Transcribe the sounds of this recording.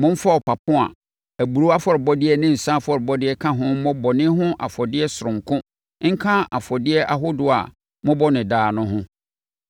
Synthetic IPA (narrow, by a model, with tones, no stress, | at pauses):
mʊ̃˦m̩˦fa˦ɔ˨pa˨pʰʊ̃˦a̰˨ | æ˨bu˨ɾu˦a˦fɔ˨ɾɪ˨bɔ˦dɪ˦ɛ˦nɪ̃˦n̩˨sã˦fɔ˨ɾɪ˨bɔ˦dɪ˦ɛ˦kʰã˦ɦʊ̃˦mɔ̃˦bɔ˨nɪ̃˦ɦʊ̃˦ʔa̰˨fɔ˨dɪ˦ɛ˦sʊ˨ʊ̃˨ŋ˨kʰʊ̃˦ | ŋ̩˦kʰã˦a˨fɔ˨dɪ˦ɛ˦ʔa˨ɦʊ˦dʊ˨a̰˨ | mʊ̃˦bɔ˦nɪ̃˨daː˨nʊ̃˦ɦʊ̃˦